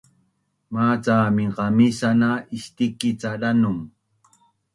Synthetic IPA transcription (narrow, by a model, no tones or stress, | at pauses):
maːt͡saːmɪɢɑmɪsanaɪʃt̪ɪkɪt͡saɾanʊŋ